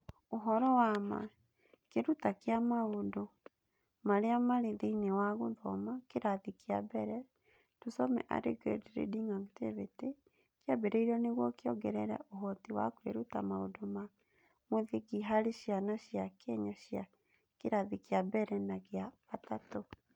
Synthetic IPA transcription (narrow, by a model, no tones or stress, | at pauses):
oɦɔɾɔwama̰ | keɾutakeamaodo | maɾeamaɾeðeinewaɣoðɔmakeɾaðikiabɛɾɛ | tusɔmɛ̰ʔa̰ɾḛɡɛ̰dɾḛdiŋaŋtḛβete | kjabeɾɛiɾɔneɣwɔkeɔɡɛɾɛɾɛ̰ʔoɦɔtewa̰kweɾutamao̰doma | moðeɣiɦaɾeɕjanaɕjakɛɲɔɕja | keɾaðekiabɛɾɛnaɣeaɣatatɔ